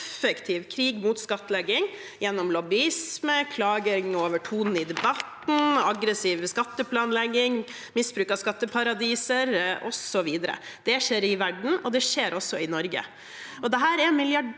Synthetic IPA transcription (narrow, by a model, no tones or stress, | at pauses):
fəkt̪ʰiːʋkʰɾiːɡmut̪skɑt̪ːəlɛɡːɪŋ | jɛnːɔmlɔbɪɪsməkʰlɑːɡəŋoːʋəʈʰuːnn̩ɪd̪ɛbɑt̪n̩ɑɡɾəsiːʋskɑt̪ːəpʰlɑːnlɛɡːɪŋ | mɪsbɾʉːkɑskɑt̪ːəpʰɑɾɑd̪iːsəɾʔɔsɔʋiːd̪əɾə̰d̪̥ɛʂeːɾɪʋæɖɳ̩ɔd̪ɛʂeːɾʔɔsːɔɪnɔɾɡə̰ | ɔd̪ɛɦæːɾɛmɪljɑ